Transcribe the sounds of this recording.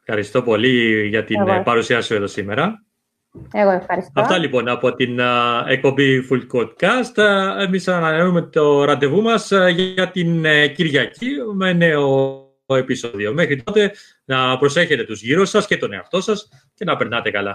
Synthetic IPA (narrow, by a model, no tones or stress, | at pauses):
efxɐɾist̪o̞po̞liʝɐt̪inpɐɾusiɐso̞eðo̞sime̞ɾɐ | eɣoefxɐɾisɐfft̪ɐlipo̞nɐpo̞t̪ine̞k̚po̞mbiful̚kod̪̚kɐst̪emisɐnɐnenume̞t̪o̞ɾɐd̪e̞vumɐsʝɐt̪inciɾʝɐcimene̞o̞ | e̞piso̞ðio̞me̞xɾit̪o̞t̪e̞ | nɐpɾo̞se̞çe̞t̪e̞t̪uzʝiɾosːɐsce̞t̪o̞ne̞ɐft̪o̞sɐs | ce̞nɐpe̞ɾnɐt̪e̞kɐlɐ